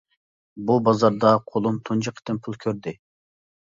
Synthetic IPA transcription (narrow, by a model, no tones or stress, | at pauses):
bubɑzɑɾd̪ɑqʰolˠunt̪ʰund͡ʒəqʰə̥t̪ɪnpʰulˠkʲʰøɾd̪ɪ